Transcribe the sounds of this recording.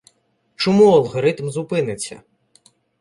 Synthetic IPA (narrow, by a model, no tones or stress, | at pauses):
t͡ʃɔmuɐlˠɦɔɾɪt̪mzʊpɪnɪt͡sʲːɐ̰